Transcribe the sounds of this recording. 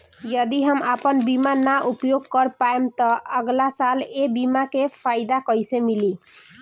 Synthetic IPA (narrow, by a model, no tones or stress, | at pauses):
jəd̪iɦəməpənbimanaʔupjoɡ̚kəɾpaemt̪ʌəɡlasalebimakepʰajd̪akʌjsemili